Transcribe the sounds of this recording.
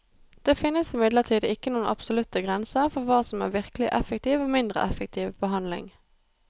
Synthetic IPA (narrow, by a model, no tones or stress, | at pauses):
d̪̥eːfɪnːəsɪmɪd̪ləʁʈʰiːd̪əɪkːənuːənʔɑ̰psɔlʉt̪ːəɡʁɛnsəʁfɔʁʋɑːsɔmæ̰ːʋɪʁkəlɪ̰ʔɛfək̚t̪ʰiːʋoːmɪnd̪ʁə̰ʔɛfɛk̚t̪ʰiːʋbəɦɑnlɪ̰ŋ